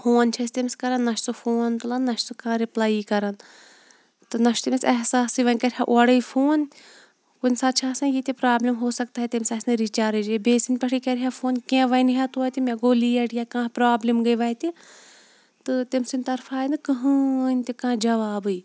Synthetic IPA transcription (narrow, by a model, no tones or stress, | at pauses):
fʰoːnt͡ʃʰɐst̪emʲskɐɾɐnːɐʃʰsufʰoːnt̪ulɐnːɐʃsukãːɾiplaːiːkɐɾɐn | t̪ɨnɐʃt̪imʲisɛɦsaːsiʋɐnʲkɐɾʲɦaʔoɐɽɐifʰoːn | kunsaːt͡ʃʰaːsãnjit̪ʲepɾaːblimɦoːsɐk̚t̪aːɦet̪emʲsɐsnɨɾit͡ʃaːɾɐd͡ʒbeːsinʲpɐʈʰiːkɐɾʲɦaːfoːnkẽʋɐjniɦat̪uɐt̪imʲẽɡoːlijɐʈijaːkãːɦpɾaːblimɡɐiʋɐːt̪i | t̪ɨt̪emsinʲt̪ɐɾfʰaːinɨkɐɦɨ̃nʲt̪ekãːd͡ʒɐʋaːbɨi